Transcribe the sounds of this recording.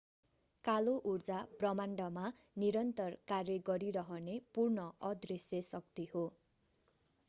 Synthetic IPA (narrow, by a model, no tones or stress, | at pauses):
kaloʔurd͡zab̥rʌmaɳɖʌma | niɾʌnt̪ʌrkarjʌɡʌɾiɾʌɦʌnepurnʌʌd̪risjʌsʌk̚t̪iho